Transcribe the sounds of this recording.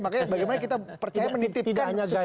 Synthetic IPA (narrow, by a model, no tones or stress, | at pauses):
makajbaɡajmanakit̪apərt͡ʃaamənit̪ɪpikanɲasɡa